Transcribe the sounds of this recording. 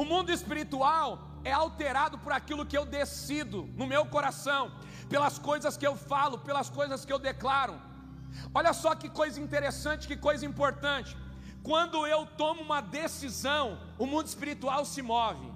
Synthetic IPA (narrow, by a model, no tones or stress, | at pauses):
ʊmũnd̪ʊispiɾit̪uaw | ɛawt̪eɾad̪ʊpʊɾakilʊkɪewd̪esid̪ʊnʊmewkoɾasɐ̃w̃ | pelɐskojzɐskɪewfalʊpelɐskojzɐskɪewd̪eklaɾʊ̰ | oʎɐsɔkɪkojzɐĩnt̪eɾesɐ̃t͡ʃɪ̥kɪkojzɐĩpoɾt̪ɐ̃t͡ʃɪ̥ | kwɐ̃nd̪ʊewt̪õmʊũmɐd̪esizɐ̃w̃ | ʊmũnd̪ʊɪispiɾit̪uawsɪmɔvɪ̰